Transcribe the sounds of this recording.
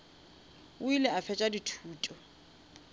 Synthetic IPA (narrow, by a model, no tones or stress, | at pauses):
ʊilɛafɛt͡ʃʼaditʰuːtʼɔ